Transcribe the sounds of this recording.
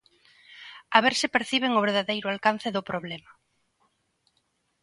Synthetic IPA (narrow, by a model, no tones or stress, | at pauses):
aβeɾsɪpeɾθiβ̞eŋʊβeɾðaðejɾʊalkan̟θɪðʊpɾoβlɛmɐ